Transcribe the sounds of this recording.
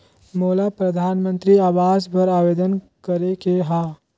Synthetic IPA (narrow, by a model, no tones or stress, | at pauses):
moːlapɾəd̪ʱaːnmə̃nt̪ɾiaːʋaːzbəɾaːʋeːd̪ən | kəɾekeɦãː